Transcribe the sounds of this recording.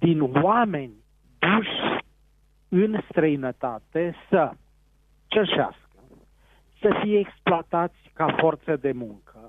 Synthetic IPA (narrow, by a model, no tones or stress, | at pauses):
d̪inwamenʲ | d̪uʃ | ɨnst̪ɾəjnət̪at̪esə | t͡ʃəʃa̰skə | səfijeːksploat̪at̪sʲkafort̪səd̪e̞muŋkʰə